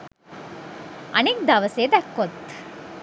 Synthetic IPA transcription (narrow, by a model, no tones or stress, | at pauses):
ʔɐnik̚d̪ɐʋɐseːd̪ækːot̪ː